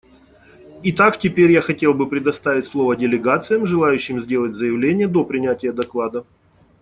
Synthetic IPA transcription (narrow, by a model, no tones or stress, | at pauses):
it̪aktʲɪpʲeɾʲjaxɐtʲe̞lˠbɨpɾʲɪd̪ɐst̪avʲɪtʲslˠo̞vədʲɪlʲɪɡat̪sɨjəmʐɨlˠajʉɕːɪmzʲdʲe̞lˠətʲzəjɪvlʲenʲɪjəd̪o̞pɾʲɪnʲætʲɪjəd̪ɐklˠad̪ə